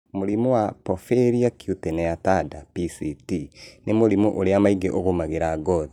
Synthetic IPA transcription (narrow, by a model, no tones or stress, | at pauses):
moɾimowapɔfeɾiakiutenɛatadapisitinemoɾimoʔoɾeamaiɡeʔoɣomaɣeɾaɡɔði